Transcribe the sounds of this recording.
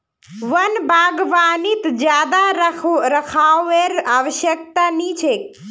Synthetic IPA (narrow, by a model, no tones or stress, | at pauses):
ʋənbʱaːɡʋaːnit̪d͡ʒjaːd̪aɾɾəkʰaːeɾaːʋəʃjək̚t̪anit͡ʃʰek